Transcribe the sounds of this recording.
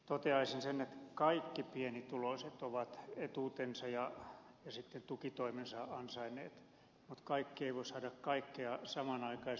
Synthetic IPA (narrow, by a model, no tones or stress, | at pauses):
t̪ot̪eɑisinsenːet̪kɑikːipienit̪uloiset̪oʋɑt̪et̪uːt̪ensɑjɑ | jɑsit̪ːent̪ukit̪oimensɑɑnsɑinḛːt̪ | mut̪kɑikːieiʋoisɑːdɑkkɑikːeɑsɑmɑnɑikɑi